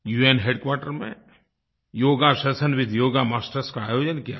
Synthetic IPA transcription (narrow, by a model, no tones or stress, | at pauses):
juːeːnɦeːɖkwaːɾʈəɾmḛ̃ | joːɡaʃɐsənʋɪd̪ʱjoːɡamaːsʈəɾskaaːjoːd͡ʒənkija̰ː